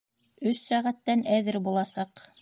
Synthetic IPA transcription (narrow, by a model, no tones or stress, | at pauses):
ɵsːæʁæt̪ːænæðɘɾbulˠɑsɑq